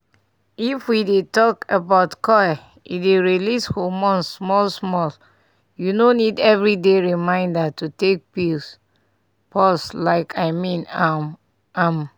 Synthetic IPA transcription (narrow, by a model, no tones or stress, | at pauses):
ifwidetɔkəbaʊtkʰɔja | ḭdeɹilishomɔ̃nsmɔlsmɔl | junonidɛvɹideɹimãɪ̃ndatutek̚pils | pʰɔslaɪkʰaɪmĩna | ãm